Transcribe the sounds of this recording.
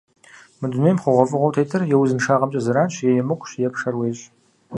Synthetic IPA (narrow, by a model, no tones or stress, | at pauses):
mɨdʊnejmχʷʊʁʷɔfʼɨʁʷɔwtʰejtʰɨrjɛwʊzɨnʂaːʁɐmt͡ʃʼɐzɨɾaːnɕʰjɛjɛmɨkʷʊɕjɛpʰʂɐrweːɕʼ